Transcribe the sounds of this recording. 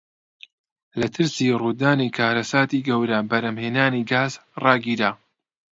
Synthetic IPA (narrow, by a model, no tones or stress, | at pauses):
lɐt̪ʰɨɾsiːruːd̪aːnikʰaːɾɐsaːt̪iːɡɐwɾɐbɐɾɐmheːnaːniɡaːzrɑːɡiːɾaː